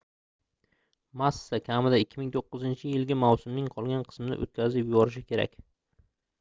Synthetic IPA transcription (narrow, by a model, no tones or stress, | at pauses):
masːakʲʰamɪd̪aɪkʲʰːɪmɪŋt̪ʰoqːɨzɪnt͡ʃʰɪjɪlɡʲamawsʊmnɪŋqʰɒlˠɡʲanqʰɨ̥smɪd̪a̰ʔo̰t̪̚kʲʰazɪpjʊbɒɾɪʃ̬ɪkʲʰe̞ɾa̰kʲ